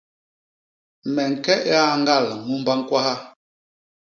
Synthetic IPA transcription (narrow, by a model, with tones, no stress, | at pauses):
mɛ˨ŋ̩˨kɛ˦ʔa˦˨ŋ˦ɡa˦˨lŋu˦mba˦ŋ̩˦kwa˦ha˦